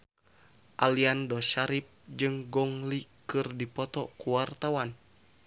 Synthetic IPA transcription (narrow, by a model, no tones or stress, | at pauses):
ʔaliandɔʃaɾip̚d͡ʒɨŋɡɔŋlikɨrdipɔt̪ɔkuwart̪awan